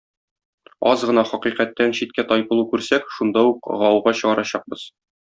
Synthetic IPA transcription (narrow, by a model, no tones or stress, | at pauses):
ɒzʁɤ̆nɑχɒqiqæt̪ːænɕit̪̚kæt̪ɒjbɤ̆lˠukʉɾsækʃund̪ɑuqʁɒwɤʁɑɕɤ̆ʁɑɾɑɕɑq̚bɤz̥